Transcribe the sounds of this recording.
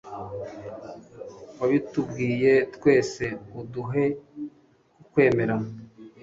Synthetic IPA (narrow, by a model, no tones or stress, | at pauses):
waβitubɡiːje̞tkwe̞ːse̞uduɦe̞ | kukwe̞ːme̞ɾana